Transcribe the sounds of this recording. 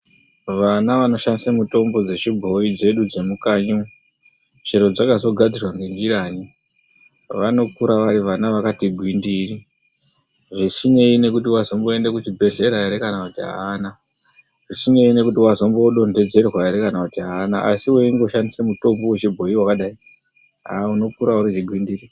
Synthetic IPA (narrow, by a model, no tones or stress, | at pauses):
ʋanaʋano̞ʃandisemuto̞mbo̞d͡ze̞t͡ʃibʱo̞id͡ze̞ɗud͡ze̞mukaɲu | t͡ʃe̞ɾo̞d͡zakazo̞ɡʱad͡zirwaŋɡend͡ʒiɾaɲi | ʋano̞kuɾaʋaɾiʋanaʋakatiɡʱwindiri | ʐisine̞ine̞k̬ut̬iwazo̞mbo̞e̞ndekut͡ʃibʱe̞ɮe̞ɾaeɾekanakutiɦa̰ːna | ʐisine̞ine̞kutiwazo̞mbo̞ɗo̞nde̞d͡ze̞rwaeɾe̞kanakutiɦaːnaʔasiweiŋɡo̞ʃandisemuto̞mbuwet͡ʃibʱo̞iwakaɗai | ɦauno̞kuɾauɾit͡ʃiɡʱwindiːri